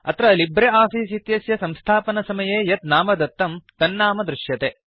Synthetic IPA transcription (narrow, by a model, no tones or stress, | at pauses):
ɐ̰t̪ɾɐlibɾeaːpiːsit̪jɐsjɐsɐmst̪ʰaːpɐnɐsɐmɐjeːjɐt̪naːmɐd̪ɐt̪ːɐmt̪ɐnːaːmɐd̪ɾɪʃjɐt̪eː